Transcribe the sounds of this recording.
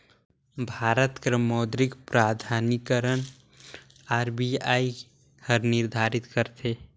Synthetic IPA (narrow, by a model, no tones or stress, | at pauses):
bʱaːɾət̪kɾəmɔːd̪ɾɪkpɾaːd̪ʱaːnikəɾən | aːɾbiaːi | həɾnɪɾd̪ʱaːɾɪt̪kəɾt̪ʰeː